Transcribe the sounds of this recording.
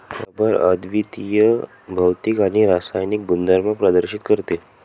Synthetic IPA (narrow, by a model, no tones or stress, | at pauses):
abəɾə̰d̪ʋit̪ijə | bʱəwt̪ikaɽ̃iɾasajnik̚bund̪aɾmãpɾəd̪əɾɕit̪kəɾt̪e